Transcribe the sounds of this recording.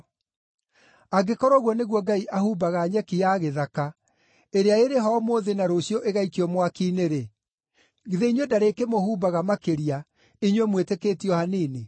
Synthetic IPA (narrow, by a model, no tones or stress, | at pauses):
aɡekɔɾɔɣwɔneɣwɔɡaiʔahuːbaɣaːɲɛkijaɣeðaka | eɾeaeɾeɦɔmoːðenaɾoɕjɔʔeɣaikiɔmwakiːneɾe | ɣiðeiɲwɛdaɾekemohuːbaɣamakeɾia | iɲwɛmwetekeːtiɔhaniːne